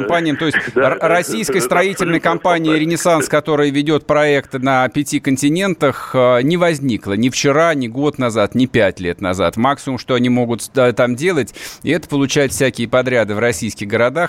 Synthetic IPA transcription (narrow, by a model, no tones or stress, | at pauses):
mpanʲɪjəmt̪o̞ɪsʲtʲɾɐsʲijskəjəst̪ɾɐitʲɪlʲnəjəkɐmpanʲɪjəɾʲɪnʲɪsanskɐt̪o̞ɾɨjvʲɪdʲo̞t̪̚pɾɐɛkt̪ɨnəpʲɪtʲikənʲtʲɪnʲe̞nt̪əxənʲɪvɐzʲnʲiklˠənʲɪft͡ɕɪɾanʲɪɡo̞t̪nɐzat̪nʲɪpʲætʲlʲe̞t̪nɐza̰t̪maksʲɪmʊmʂt̪o̞ɐnʲimo̞ɡʊt̪t̪amdʲe̞lˠətʲɪɛt̪ə̥pəlˠʊt͡ɕæjɪt̪fsʲækʲɪjəpɐd̪ɾʲad̪ɨvrɐsʲijskʲɪɣɡəɾɐd̪ax